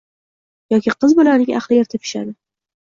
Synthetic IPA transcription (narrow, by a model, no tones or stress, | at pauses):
jɒkʲɪqʰɨzbolaɾnɪŋʲʔa̰χlˠɪjeɾt̪ʰɪpʰɪ̥ʃa̰d̪ɪ